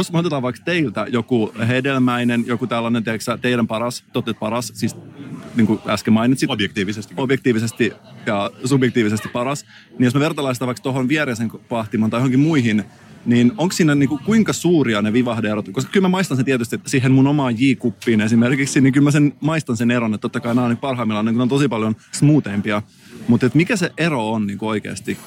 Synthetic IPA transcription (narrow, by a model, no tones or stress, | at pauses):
josmot̪et̪ɑːʋɑikst̪eilt̪æjokuɦedelmæinenjokut̪ælːɑnent̪eːksæt̪eiɾæmpɑɾɑst̪ot̪ːet̪̚pɑɾɑssisniːŋkuæskemɑinit̪sitjkt̪ːʋssobjekt̪iːʋisest̪ijɑsubjɛk̚t̪iːʋisest̪ipɑɾɑs | nijosmæʋert̪ɑlɑnsit̪ɑʋɑikst̪oɦonʋiɛɾeseŋkpɑht̪imɑnt̪ɑjohoŋkimuiɦin | niːnoŋkssiːnːæniːŋkukuiŋkɑsuːɾiɑneʋiʋɑhdeeɾot̪koskɑ̥kylmæmɑist̪ɑnsent̪iɛæt̪yst̪iet̪ːæsiːɦːenmunomɑːjiːkupːiːnesimerkiksinikylmæsenmɑist̪ɑnseneɾonet̪t̪ːot̪ːɑkɑinæɑnik̚pɑrɦɑimːilːɑniːkunɑnt̪osipɑljonksmuːt̪eːmpiɑ | mut̪et̪mikæseʔeroonniːŋkuoikḛːst̪i